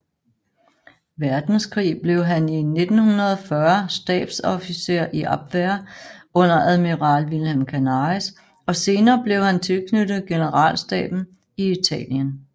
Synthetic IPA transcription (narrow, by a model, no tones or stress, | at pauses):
ʋæɐd̥n̩skʰʁḭːb̥le̝ʊɦænine̝d̥n̩hunɐðˠɒfɶɐsd̥ɛ̰ːd̥sɒfise̝ɐ̰ʔiʔɑb̥ʋæɐɔ̽n̰ɐʔæðˠmiʁɑ̈ːlʋilhemkʰænɑs | ɒ̽se̝ːnɐːb̥le̝ʊhænt͡sʰe̝lkʰnød̥ð̩ˠɡ̥e̝nəʁɑ̰̈ːlsd̥ɛ̰ːb̥n̩ | iit͡sʰɛ̰ːljən